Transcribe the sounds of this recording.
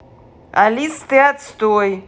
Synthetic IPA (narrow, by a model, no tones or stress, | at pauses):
alʲist̪ɨat̪st̪oj